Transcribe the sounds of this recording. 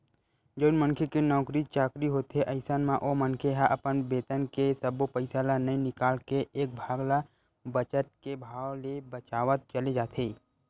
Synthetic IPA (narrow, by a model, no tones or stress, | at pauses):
d͡ʒoːnmənkʰekenɔːkɾit͡ʃaːkɾiɦoːt̪ɦeʔɐɪsənmãʔoːmə̃nkʰeɦaʔɐpənbeːt̪ənkesəbopəɪsalanəĩnɪkaːlkeeːk̚bʱaːɡla | bət͡ʃət̪̚kebʱaːwlebət͡ʃaːʋət̪̚t͡ʃəled͡ʒaːt̪ʰeː